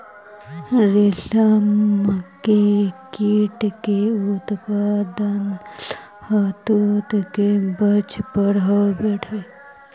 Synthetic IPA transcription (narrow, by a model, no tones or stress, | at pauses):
ɾeɬamkekiʈkeut̪pad̪ən | hɐt̪ut̪kebət͡ʃpəɽawbeɽʰe